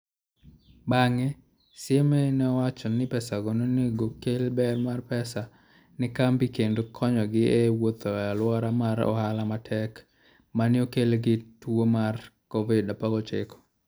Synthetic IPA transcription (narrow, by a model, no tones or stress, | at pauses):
baŋe | sjemenɛwat͡ʃɔnɪpɛsaɡononeɡokelbɛrmarpɛsa | nɪkambikendokʰɔɲɔɡɪʔewot̪ɔjalwɔɾamaɾɔ̰halamatʰɛk | manɪokelɡɪtwomarkɔvɪdapaɡɔt͡ʃɪkɔ̥